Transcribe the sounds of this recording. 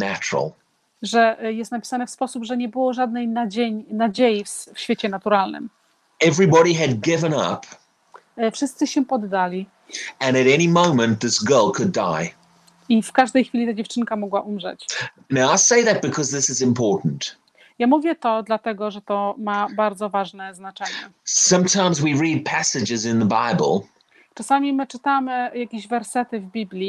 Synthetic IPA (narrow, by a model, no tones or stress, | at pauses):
næt͡ʃɹ̰l̩ˠ | ʐɛjɛst̪napʲi̥sanɛfspɔsupʐɛɲɛbɘwɔʐad̪̚nɛjnad͡ʑeɲnad͡ʑejiffɕfʲet͡ɕɛnat̪uɾalnɨ̰m | ɛvɹibɑɾiɨd̚ɡɪvə̃nʌ̰p | fʂɨst̪sɘɕɛpɔd̪ːalʲi | ɨ̃ñɨɾɛñimõʊ̃mə̃nðɪsɡ̥ɜ˞lˠkʰɨda̰ɪ | ifkaʐd̪ɛjxfʲilʲit̪ad͡ʑɛft͡ʂɘŋkamɔɡwaʔumʐɛ̰t͡ɕ | naʊaɪlˠseɪðɨt̚b̥ɨkʰʌzðɪsɨzɨ̃mpʰɔɹʔn̩t | jamuvʲjɛt̪ɔd̪lat̪ɛɡɔʐɛt̪ɔmabaɾd̪zɔvaʐnɛznat͡ʂɛɲɛsʌ̃mtʰãɪ̃mzwiɹid̚pʰæsɨd͡ʒɨzɪ̃nðəba̰ɪbə̰l̩ˠ | t͡ʂasamʲimɘt͡ʂɨt̪amɘjakʲeʑvɛɾsɛt̪ɘvbʲiblʲi